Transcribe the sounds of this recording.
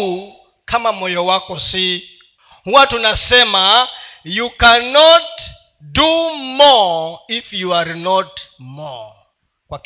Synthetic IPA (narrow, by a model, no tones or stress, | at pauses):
kʰamamɔjɔwakɔsi | ɦuwatunasɛmajukanɔt | dumɔifjuaɾnɔtmɔ̰ | kwak